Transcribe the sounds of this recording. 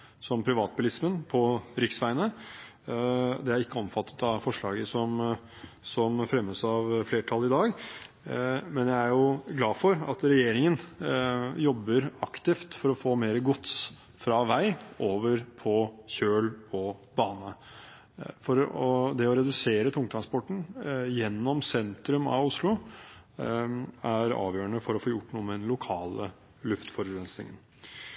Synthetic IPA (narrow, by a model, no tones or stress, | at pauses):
sɔmpʰɾɪʋɑːt̪̚bʊlɪsmənpʰɔɾɪksʋæɪnə | d̪ɛæɾɪkːəɔmfɑt̪ʰːə̥t̪ɑʋfɔʂɭɑːɡəsɔm | sɔmfɾɛmːəsɑʋfleːʈʰɑlːɪd̪ɑːɡ | mɛnjæɪæɾjʊɡlɑːfɔɾɑt̪ɾɛjeːɾɪŋən | jɔbːəɾɑkt̪ɪft̪fɔɾɔfoːmeːɾəɡʊt̪s | fɾɑːʋæɪʔoːʋəɾpʰɔçøːlɔb̥ɑːnə | fɔɾɔd̪ɛɔɾɛd̪ʉseːɾət̪ʰʊŋt̪ʰɾɑnspɔʈːɳ̩jɛnːɔmsɛnt̪ɾʉmɑ̰ʋʊslʊ | æɾɑ̰ːʋjøːɾəɳəfɔɾɔfoːjʊʈːnuːəmɛd̪ɛnlʊkʰɑːlə | lʉft̪fɔɾɛnsnɪ̰ŋən